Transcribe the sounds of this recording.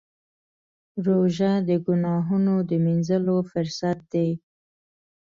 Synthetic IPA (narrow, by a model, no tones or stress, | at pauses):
ɾoʒad̪əɡʊnɑɦunod̪əminzəlofʊɾsat̪̚d̪e